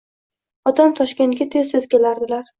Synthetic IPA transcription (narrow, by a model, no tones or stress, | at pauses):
ɒt̪ʰamt̪ʰɒʃkʲe̞nt̪̚ɡʲat̪ʰe̞zsez̥kʲʰe̞laɾd̪ɪlaɾ